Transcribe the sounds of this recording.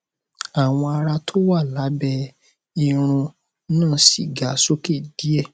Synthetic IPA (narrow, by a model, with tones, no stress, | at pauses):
a˨w̃ɔ̃˧a˧ɾa˧tʰo˦wa˦˨la˨˦bɛ˧ | i˦˧ɾ̃ũ˧˦ | nãː˦˨˦si˨ɡa˨˦so˦ke˦˨d̥i˨˦ɛ˦˨